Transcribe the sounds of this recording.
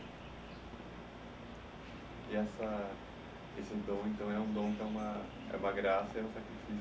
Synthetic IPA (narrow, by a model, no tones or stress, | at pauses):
ɪɛsɐ | esɪd̪õw̃ẽnt̪ɐ̃w̃ɛũd̪õw̃kɛũmɐ | ɛ̰ũmɐɡɾasɐɛũsakɾifis